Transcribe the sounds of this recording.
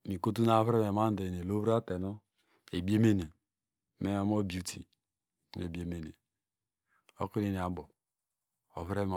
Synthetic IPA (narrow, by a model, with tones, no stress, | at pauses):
mi˨ko˦t̬u˦na˨˦βɾe˦me˨ma˦n˦de˨e˨lo˦βɾa˦te˨no˦ | e˨bi˦e˦me˦ne˨ | me˦˨˦m˦o˦bi˨˦u˦tʰḭ˨˦ | n˨e˨bi˨e˨me˨ne˨ | o̰˦ku˦ne˨ne˨a˨bo˨ | o˨βɾe˦m˨